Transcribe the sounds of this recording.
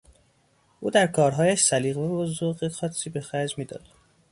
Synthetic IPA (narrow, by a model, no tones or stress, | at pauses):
ʔuːd̪æɾkʰɒːɾɦɒːjæʃsæliːɣvæbozoɣexɒːt̪siːbexæd͡ʒmiːd̪ɒ̰ːd̪̥